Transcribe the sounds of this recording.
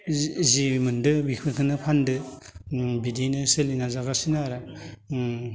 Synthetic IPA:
zimɯndɯbikʰɯkʰɯnɯpʰandɯ | bidinɯselinazaɡasinaɾa

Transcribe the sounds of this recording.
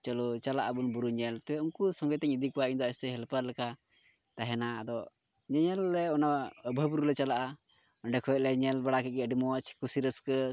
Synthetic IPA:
t͡ʃəlɔt͡ʃalaʔabunbuɾuɲɛlt̪ɛwɛunkusɔ̃ŋɡəjt̪ɛɲid̪ikuwaiɲd̪ɔɛsɛɦɛlpəɾlɛka | t̪aɦɛnaːd̪ɔ | ɲɛɲɛlːɛɔnaəbʱəbuɾulɛt͡ʃalaʔa | ɔnɖɛkʰɔjɛʔ̪̚lɛɲɛlbaɽakɛɡɛəɖimɔwat͡ʃʰi̥kusiɾəskə

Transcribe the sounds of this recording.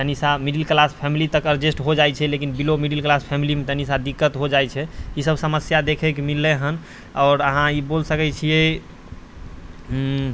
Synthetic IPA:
t̪ənisamiɖilklaspʰɛmilit̪əkəɾd͡ʒesʈɦod͡ʒajt͡ʃʰɛlekinbilomiɖilklaspʰɛmilimet̪ənisad̪ikːət̪ɦod͡ʒajt͡ʃʰɛisəbsəməsjad̪ekʰɛkemilːeɦən | ɔːɾəɦãibolsəkɛt͡ʃʰijɛ

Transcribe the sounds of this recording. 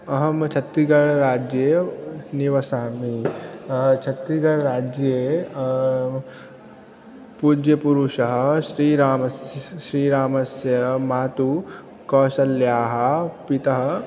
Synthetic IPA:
ɐɦɐmt͡ʃʰɐt̪ɾiɡɐɽɾaːd͡ʒjeniʋɐsaːmi | t͡ʃʰɐt̪ɾiɡɐɽɾaːd͡ʒje | pud͡ʒjɐpuɾuʃɐɦɐ̆ʃɾiːɾaːmɐsjʃɾiːɾaːmɐsjɐmaːt̪u | kɔːʃɐljaːɦɐ̆pit̪ɐɦɐ̆

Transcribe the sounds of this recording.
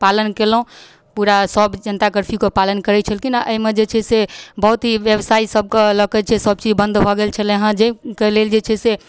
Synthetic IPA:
palənkelũ | puɾasəbd͡ʒənt̪akəɾpʰikopalənkəɾɛt͡ʃʰəlkinaʔəimed͡ʒet͡ʃʰɛsebəɦut̪ɦiʋjəbsaisəb̚keləkɛt͡ʃʰɛsəb̚t͡ʃid͡ʒbə̃nd̪bʱɔɡelt͡ʃʰɛleɦãd͡ʒekeleld͡ʒet͡ʃʰɛse

